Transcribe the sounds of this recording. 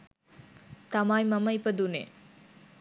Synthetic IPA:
t̪ɐmajmɐmɐjpɐd̪unḛ

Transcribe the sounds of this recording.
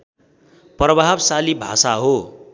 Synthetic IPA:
prʌbʱabsalibʱa̰saɦo

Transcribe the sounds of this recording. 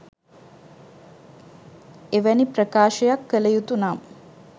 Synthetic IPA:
eʋæniprəkaːʃəjakːələjut̪unam

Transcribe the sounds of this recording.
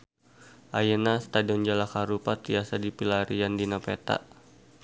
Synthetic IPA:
ʔajənast̪adiɔnd͡ʒalakaɾupat̪ɾiasadipilaɾiandinapet̪a̰ʔ

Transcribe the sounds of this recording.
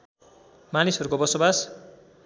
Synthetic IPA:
manisurkobʌsobas

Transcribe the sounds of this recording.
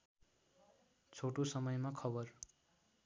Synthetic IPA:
t͡sʰoʈosʌmʌjmakʰʌbʌr

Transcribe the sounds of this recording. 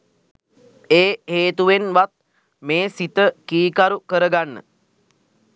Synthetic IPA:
eːɦeːt̪uʋenʋat̪̚ | meːsit̪əkiːkaɾukəɾəɡanːə̰

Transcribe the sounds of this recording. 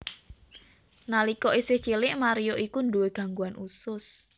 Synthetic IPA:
nalikɔʔisɪht͡ʃilɪʔmaɾijoʔikunduweɡ̥a̤ŋɡuanʔusʊs

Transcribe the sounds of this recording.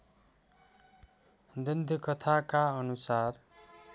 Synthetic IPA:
d̪ʌnd̪ʱkʌt̪ʰakaʌnusar

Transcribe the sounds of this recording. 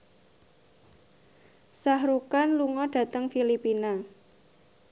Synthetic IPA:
sahɾukanluŋɔɖ̥ä̤t̪əŋfilipina

